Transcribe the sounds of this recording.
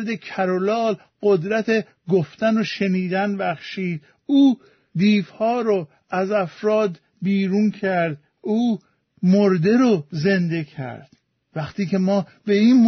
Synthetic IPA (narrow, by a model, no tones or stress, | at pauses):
ɾd̪ecʰæɾolɒːl | ɢ̥od̪ɾæt̪ʰe | ɡoft̪ænoʃeniːd̪ænbæxʃiːd̪ | uː | d̪iːfhɒːɾo | æzæfɾɒːd̪ | biːɾunkʰæɾd̪̚ | uː | moɾd̪e̞ɾoze̞nd̪e̞kʰæ̰ɾd̪̥ | væxt̪iːce̞mɒːbeiːnm